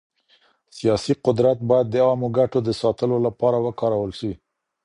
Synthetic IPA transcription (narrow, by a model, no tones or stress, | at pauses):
sijɑsiqʊd̪ɾat̪̚bɑjad̪̚ːəɑmoɡaʈod̪əsɑt̪əlolapɑɾawəkɑɾawəlʃəwi